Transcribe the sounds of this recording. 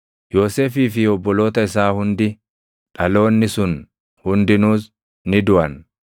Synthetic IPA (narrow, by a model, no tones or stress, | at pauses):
jo̞ːseːfiːfɪɔbːɔlo̞ːt̪ɐɪsaːhʊnd̪ɪ | ᶑɐlo̞ːnːɪsʊn | hʊnd̪ɪnuːs | nɪd̪ʊʔɐn